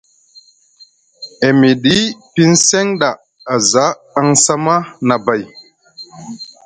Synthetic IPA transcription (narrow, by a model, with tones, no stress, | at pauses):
e˨mi˨ɗi˦pi˦nsɛ˦ŋɗa˨ | a˨za˨˦ | a˦ŋsa˦ma˦na˨ba˨j